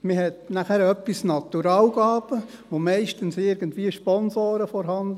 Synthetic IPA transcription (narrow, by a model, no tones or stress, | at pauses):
mɪhɛtnæχæɾœpːisnɑt̪uɾɑːwɡɑːb̥ə | ʋomɛɪʃtənsɪɾɡəntʋiːəʃpɔnsoːɾəfɔɾɦɑnd̪